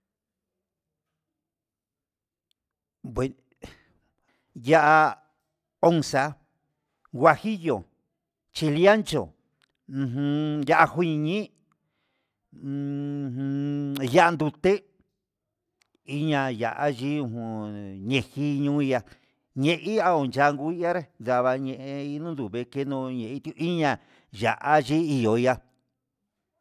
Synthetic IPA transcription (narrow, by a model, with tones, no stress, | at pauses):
pwe˨ | ja˦ʔa˧ | o˦˧ŋsa˧ | ɡwa˧xi˦jo˨ | t͡ʃi˧li˦a˦nt͡ʃõ̰˨˧ | ɦũ˧ja˧˦ʔa˧xu˦ɲĩ˧ɲĩ˦˧ | hũ˧ja˦ʔa˧nd̪u˧t̪e˦ | i˦ɲã˧ja̰˨ʔa˦ʒi˦ũ˧hɲẽ˧˨hi˦ɲũ˦i˧a˧ | ɲẽ˧ʔi˦a˧o˨nt͡ʃa˧ŋɡu˧˦i˦a˦ɾe˦nd̪a˧βa˧ɲẽ˧ʔẽ˧i˧˦nũ˦nd̪u˨βe˧ke˦nũ˧ɲẽ˨i˧˦t̪i˧ʔi˦ɲã˧˨ | ja̰˨ʔa˦ʒi˦i˧jo˨i˧˦a˧